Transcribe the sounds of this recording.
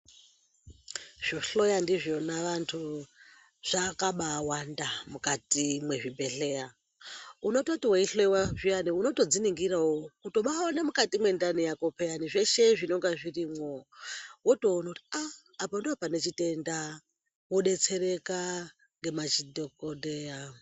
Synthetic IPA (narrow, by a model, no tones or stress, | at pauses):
ʐ̥oɬojandiʐo̞naʋantʰu | ʐ̥akaɓaːwandamukatimwe̞ʐibʱe̞ɬe̞a | uno̞totiweiɬoiwaʐianiuno̞to̞d͡ziniŋɡiɾawouto̞ɓaonemukatimwendanijakopʰejaniʐe̞ʃe̞ʐino̞ŋɡaʐirimwowotonotiaː | pondoopane̞t͡ʃite̞nda | woɗe̞t͡se̞ɾe̞ka | ŋɡe̞mat͡ʃidʱokodeja